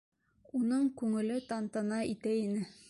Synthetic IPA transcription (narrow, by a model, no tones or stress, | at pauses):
unɤɴkʉŋɘ̆lɘt̪ɑnt̪ɑnɑit̪æinɘ